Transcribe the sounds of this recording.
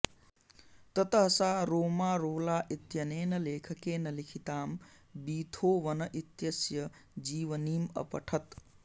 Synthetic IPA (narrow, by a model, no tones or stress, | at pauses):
t̪ət̪əɦsaɾoːmaːɾoːlaːʔit̪jɐneːnɐleːkʰəkeːnəlikʰit̪aːm | biːt̪ʰoʋənəʔit̪jɐsjəd͡ʒiːʋənimə̰pə̰ʈʰət̪